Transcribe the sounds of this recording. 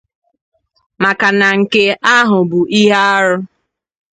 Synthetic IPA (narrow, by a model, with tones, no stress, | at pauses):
ma˨ka˨na˨ŋ̩˨ke˦a˦ɦʊ˨bu˨ʔi˦ɦa˦a˦ɾʊ˦